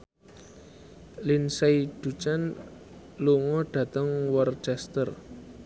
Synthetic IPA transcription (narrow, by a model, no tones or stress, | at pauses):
linsajɖ̪̥ṳt͡ʃan | luŋɔɖ̥ä̤t̪əŋwɔrt͡ʃɛst̪ər